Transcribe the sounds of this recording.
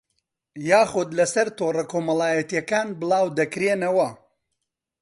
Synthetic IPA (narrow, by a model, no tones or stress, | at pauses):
jaːxʊd̪lɐsɐɾt̪oːrɐkoːmɐlaːjɐt̪ijɐkaːnbɨlˠaːwd̪ɐkɾeːnɐwɐ